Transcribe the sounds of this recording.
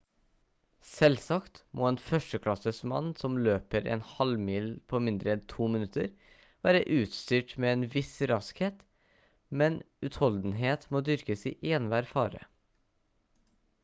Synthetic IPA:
sɛlsɑkt̪mʔoːeːnfœʂʈəkʰlɑsəsmɑ̰nːsɔmløːpəɾɛ̰ːnhɑlmɪlpʰɔmɪnd̪ɾəɛnt̪ʰuːmɪnʉt̪ʰːə̰ɾ | ʋæːɾəʔʉːt̪st̪yːʈmɛːeːnʋɪsɾɑskheːt̪ | mɛn | ʉt̪hɔld̪n̩ɦeːt̪moːd̪ʏɾkəsiʔeːnʋæːɾfɑːɾə̰

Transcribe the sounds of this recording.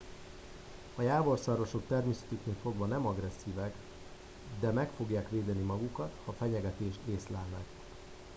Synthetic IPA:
ɒjaːvo̞rsɒɾo̞ʃo̞k̚t̪ɛrmeːsɛ̥t̪ykneːlfo̞ɡʋɒnɛmɒɡrɛsːiːvɛk | d̪ɛmɛkfo̞ɡjaːkʋeːd̪ɛnimɒɡukɒt̪hɒfɛɲɛɡɛt̪eːʃt̪eːslɛlnɛ̰k

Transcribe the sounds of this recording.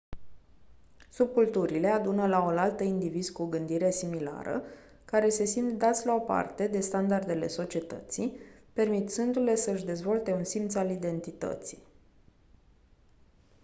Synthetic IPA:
sub̚kult̪uɾile̞ad̪unəlao̞lalt̪əind̪ivizkuɡɨnd̪iɾe̞simila̰ɾə̰ | kaɾe̞se̞simt̪̚d̪at̪sʲlao̞pa̰rt̪e̞d̪e̞st̪and̪ard̪e̞le̞̰so̞t͡ʃie̞t̪ə̰t̪sipe̞rmit̪sɨnd̪ule̞səɨʃd̪e̞zvo̞lt̪e̞unsimt̪salid̪e̞nt̪it̪ə̰t̪si̥

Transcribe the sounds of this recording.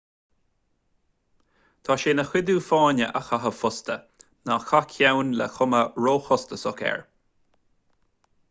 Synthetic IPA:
t̪ʰɑːʃeːnəxɪd̪uːfɔːnəʔaxaɦəfʊst̪ə | naxakʰjawnlɛ̰xʊməɹoːxɔst̪əsɔkɛ̰ɹ

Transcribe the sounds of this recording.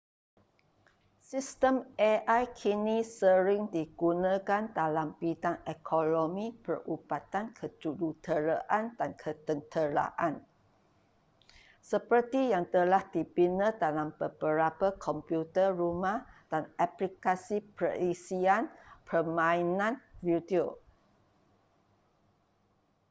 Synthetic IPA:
sistəmeʔajkʰinisəɾɪŋdiɡunãkandalampidaŋɛkʰolomĩpərubat̪ankʰəd͡ʒudut̪əɾaʔandankʰət̪ənt̪əɾa̰ʔan | səpərt̪ijaŋt̪əlahdibinə̃dalambəbəɾapakʰɔmpjut̪ərumahd̥anʔaplikasipɾə̰lisianpʰərmãinãnvidio

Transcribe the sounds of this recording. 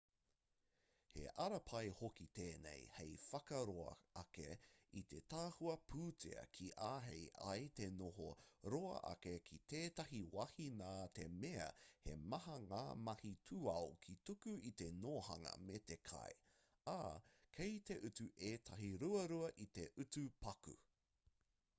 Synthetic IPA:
hḛʔɐɾɐpʰɐjhokit̪eːnḛjhejfɐkɐɾoɐ̰ɐkeit̪etaːhuɐpʰuːtʰḛɐ̰kʰiʔaːɦejʔɐ̰jt̪enoɦoɾoɐ̰ʔɐ̰kekʰit̪eːt̪ɐɦiwɐhinaːt̪emeɐ̰hḛmɐɦɐŋaːmɐhitʰuɐokʰitukuit̪e̞noːhɐ̰ŋɐ̰met̪ekʰa̰e | akʰejt̪eʔʉtuʔeːt̪ʰɐɦiɾuɐɾuɐʔit̪eʔʉtupʰɐkṵ

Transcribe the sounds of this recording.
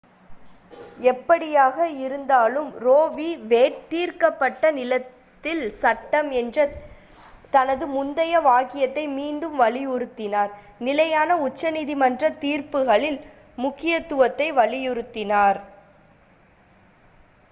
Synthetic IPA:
ɛpːɐɽɪjaːɣɐɪɾɯnd̪aːlɯmɾoːʋiʋeːʈt̪iːɾkɐpːɐʈːɐnɪlɐt̪ːɪlsɐʈːɐmɛndrɐ | t̪ɐnɐðɯmʊnd̪ɐjɐʋaːɣɪjɐt̪ːɐɪmiːɳɖɯmʋɐɭɪjɯɾɯt̪ːɪnaːɾ | nɪlɐjaːnɐʊt͡ʃːɐniːðimɐndrɐt̪iːɾpɯɣɐɭɪl | mʊkːɪjɐt̪ːɯʋɐt̪ːɐɪʋɐɭɪjɯɾɯt̪ːɪnaːɾ

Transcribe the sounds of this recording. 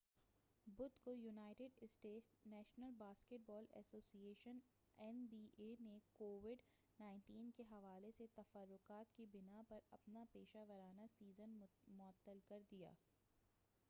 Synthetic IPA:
bʊd̪kojunaːɪʈɪɖsʈeːʈnɛːʃnəlbaːskeʈ̚bɔːlɛ̰ːsoːsieːʃən | ɛnbiːʔenekoːʋɪɖ | nãːɪ̃ɳʈiːnkeɦɐʋaːleset̪ɐfəɾːʊqaːt̪kibɪnapɐɾɐpnapeːʃaʋɐɾaːnasiːzənmʊət̪ːəlkɐɾd̪ija̰ː

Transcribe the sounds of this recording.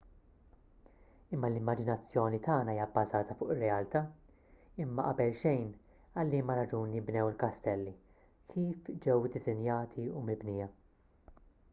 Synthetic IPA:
ɪmːɐlɪmːɐd͡ʒɪnɐt͡sːjɔːnit̪ɐːnɐiːjɐbːɐzɐːt̪ɐfʊːʔɪrːɛɐlt̪ɐː | ɪmːɐʔɐbɛlʃɛjn | ɐlːiːmɐɾɐd͡ʒuːnjɪbnɛwɪlkɐst̪ɛlːi | kʰiːfd͡ʒɛwd̪ɛzɪnjɐːt̪ʰiumɪbnɪːjɐ

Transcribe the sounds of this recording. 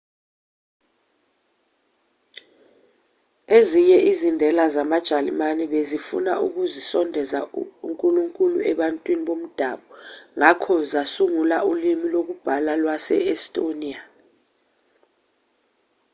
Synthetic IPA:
eziɲɛʔizindʱɛlazamad̥ʒ̥ʱalḭmaniɓezifṵna̰ʔṵk̬uzisɔndʱɛzauŋkʼuluŋkʼulṵɛɓantʼwiniɓom̩d̥ʱaɓɔŋakʰɔzasuŋulaʔulimilok̬ub̥ʱalalwasɛ̰ɛstʼoniːa

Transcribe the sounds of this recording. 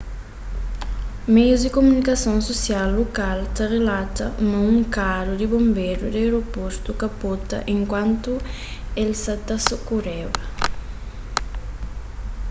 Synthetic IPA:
mejʊzd̪ɪkomunikasõŋsosjalːokalt̪arelat̪ɐmɐ̃ũŋkaɾʊd̪ɪbõmbeɾʊd̪awɾopoɾt̪ukapot̪ɐ̰ʔẽŋkwãnt̪ʊ | ɛlsɐt̪asokuɾɛvɐ

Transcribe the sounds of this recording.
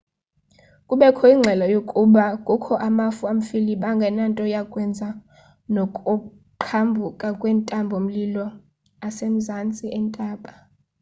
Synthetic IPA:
kʼuɓɛkʰɔiŋ͡ǁʱɛlɔjokʼuɓakʼukʰɔʔamafuam̩filiɓaŋɡʱɛnantʼɔjakʼwɛnd͡zʱa | nokʼu | ǃʰambʱukʼakʼwɛntʼambʱom̩lilɔ | asem̩zant͡sʼiʔɛntʼaːpʼḁ

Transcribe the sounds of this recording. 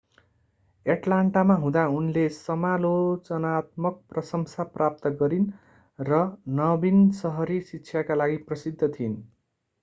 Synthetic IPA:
eʈlaɳʈamaɦũd̪aunlesʌmalot͡sʌnat̪̚mʌk̚prʌsʌmsaprap̚t̪ʌɡʌɾin | rʌnʌbinsʌɦʌɾisit͡sʰjakalaɡiprʌsid̪ʱːʌt̪ʰin

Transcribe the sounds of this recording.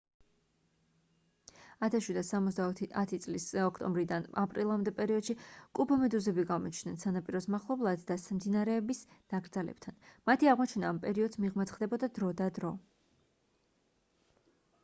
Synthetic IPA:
at̪ʰaʃwid̪asamɔt̪sd̪aat̪ʰit̪sʼlisɔkʰt̪ʼɔ̰mbɾid̪anapʼɾilˠamd̪ɛpʼɛɾiɔd̪ʃikʼubʰɔmɛd̪uzɛbiɡamɔt͡ʃʰnɛnsanapʼiɾɔsmaχlˠɔblˠad̪d̪asmd̪inaɾɛːbisn̥aɡɾd̪zalɛ̰b̥t̪ʰanmat̪ʰiaʁmɔt͡ʃʰɛnaːmpʼɛɾiɔd̪̥smiʁmat̪sχd̪ɛbɔd̪ad̪ɾɔd̪ad̪ɾɔ

